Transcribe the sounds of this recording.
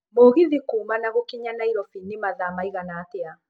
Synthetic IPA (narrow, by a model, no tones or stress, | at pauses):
moːɣiðikuːmanaɣokiɲanaiɾɔfinimaðamaiɣanaːtea